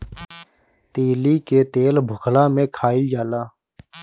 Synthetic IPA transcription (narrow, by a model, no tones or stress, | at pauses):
t̪iːliːkeːt̪eːlbʱʊkʰlaːmẽːkʰaːiːd͡ʒaːlaː